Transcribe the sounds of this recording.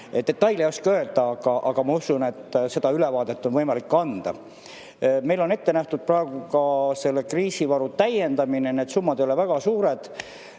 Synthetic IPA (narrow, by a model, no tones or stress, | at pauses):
et̪d̪̥e̞t̪ːɑjlejoskøld̪̥ɑɑɡ̥ɑʔɑɡ̥ɑmɑusune̞t̪ːˑse̞d̪̥ɑylevɑːd̪e̞t̪ːo̞nvɤjmɑlikːɑnd̪̥ɑ̰ | me̞jlo̞ne̞t̪ːe̞næht̪ud̪̥̚prɑeɡ̥ukɑse̞lːekriːsivɑɾut̪æje̞nd̪ɑmineneːd̪sumːɑd̪ejolevæɡ̥ɑsuːɾe̞d̪̥